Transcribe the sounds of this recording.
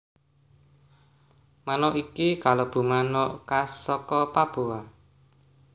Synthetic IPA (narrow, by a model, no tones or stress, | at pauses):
manoʔikikalob̥ṳmanoʔkasɔkɔpab̥ua